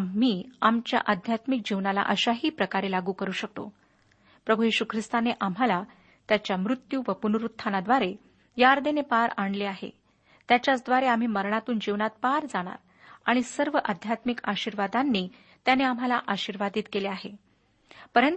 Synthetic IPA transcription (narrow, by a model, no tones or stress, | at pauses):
m̤ːiːamt͡ɕja̰ʔəd̪ʱjat̪mik̚d͡ʑiʋnala̰ʔəɕaɦiːpɾəkaɾelaɡuːkəɾuːɕək̚t̪o̰ | pɾəbʱujiɕukʰɾist̪aneʔam̤ala | t̪jat͡ɕjamɾut̪juːʋəpunuɾut̪ʰːanad̪ʋaɾe | jaɾd̪enepaɾaɳ̃leaɦḛ | t̪jat͡ɕjat͡sd̪ʋaɾeam̤iːməɾɳat̪uːnd͡ʑiʋnat̪̚paɾd͡zaɽ̃a̰ɾ | aɽ̃isəɾʋəʔəd̪ʱjat̪mikaɕiɾʋad̪anːiː | t̪janeam̤alaʔaɕiɾʋad̪iːt̪keleaɦe | pəɾənt̪